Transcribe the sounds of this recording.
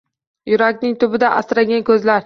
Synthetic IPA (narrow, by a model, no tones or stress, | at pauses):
jʊɾakʲnɪŋt̪ʰʊbɪd̪aʔasɾaɡʲankʲʰɵzlaɾ